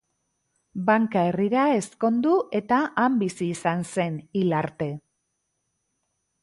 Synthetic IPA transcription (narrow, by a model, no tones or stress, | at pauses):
baŋkae̞riɾae̞sko̞nd̪ue̞t̪aʔambisiːsanse̞nilaɾt̪e̞